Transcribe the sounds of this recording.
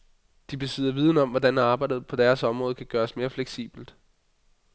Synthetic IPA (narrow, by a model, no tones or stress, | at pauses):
d̥ib̥e̝sið̰ˠɐʋiːð̞ˠnəɒ̽m̰ʋɒd̥ænɑ̈ːb̥ɑ̈ɪdð̩ˠpʰɒ̽d̥æɐsɒ̽mʁɔ̽ːð̞ˠkʰæɡ̥ɶːɐsme̝ːɐfleɡ̥sḭːb̥l̩d̥